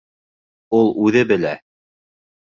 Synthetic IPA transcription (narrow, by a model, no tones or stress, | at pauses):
ulˠʔʉðɘbɘ̆læ